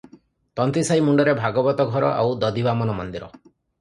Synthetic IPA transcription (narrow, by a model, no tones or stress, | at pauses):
t̪ɔnt̪ɾisajmuɳɖɔɾebʱaɡɔbɔt̪ɔɡʱɔɾɔ̰ʔa̰wd̪ɔd̪ibamɔnɔmɔnd̪iɾɔ